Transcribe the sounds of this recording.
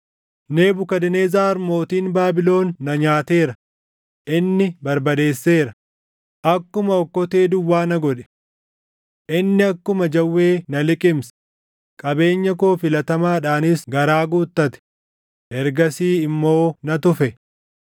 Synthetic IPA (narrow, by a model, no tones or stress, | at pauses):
ne̞ːbʊkɐd̪ɪne̞ːzaːɐɾmo̞ːt̪iːnbaːbɪlo̞ːnːɐɲaːt̪e̞ːɾɐ | ʔɪnːɪbɐɾbɐd̪e̞ːsːeːɾɐ | ʔɐkːʊmɐɔkːɔt̪eːd̪ʊwːaːnɐɡɔᶑɛ̥ | ʔɪnːɪɐkːʊmɐd͡ʒɐwːeːnɐlɪkʼɪms | kʼɐbe̞ːɲːɐko̞ːfɪlɐt̪ɐmaːᶑaːnɪsɡɐɾaːɡuːt̪ːɐt̪ɛ̥ | ʔɛɾɡɐsiːɪmːo̞ːnɐt̪ʊfɛ